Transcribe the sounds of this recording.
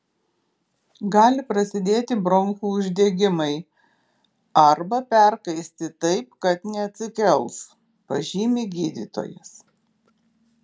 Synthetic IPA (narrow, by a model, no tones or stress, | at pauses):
ɡɑːlʲɪpɾɐsʲɪd̪ʲeːt̪ʲɪbɾɔŋxuːʊʒʲd̪ʲɛɡʲɪmɐɪ | ɐɾbɐpʲɛɾkɐɪsʲt̪ʲɪt̪ɐɪp̚kɐt̪nʲɛɐt̪ʲsʲɪkʲɛlˠs | pɐʒʲiːmʲɪɡʲiːd̪ʲḭːt̪o̰ːjɛ̰s